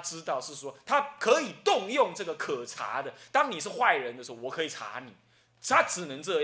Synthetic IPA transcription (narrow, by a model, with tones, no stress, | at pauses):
ʈ͡ʂɻ̩˥t̪ɑ˥˧ʊʂɻ̩˥˩swɔ˦t̪ʰa˥kʰə˧˦i˨˩t̪ʊ˥˧ŋjʊ˥˧ŋʈ͡ʂɤ˥˩ɡə˩kʰɤ˨˩ʈ͡ʂʰa̰˧˥d̪ə˨t̪ɑ˥ŋni˨˩ʂɻ̩˥˧xwa˥˩ɪɻə˧˦nd̪ə˧ʂ̩˧˥ɔ˧˩wɔ˨˩kʰɤ˧˥i˨˩ʈ͡ʂʰa̰˧˥ni˨˩˦ | t̪ʰa˥ʈ͡ʂɻ̩˨˩nɤ˧˦˥ŋʈ͡ʂɤ˥˧